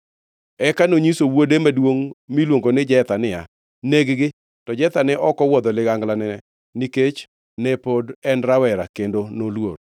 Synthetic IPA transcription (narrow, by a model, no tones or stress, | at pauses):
ɛkanoɲisowodemadwoŋmilwoŋɡonɪd͡ʒɛt̪anɪa | neɡɡɪ | tɔd͡ʒɛt̪anɪʔɔkɔwɔd̪ɔlɪɡaŋɡlanɛ | niket͡ʃ | nɛpodɛnɾawɛɾakendonolwoɾ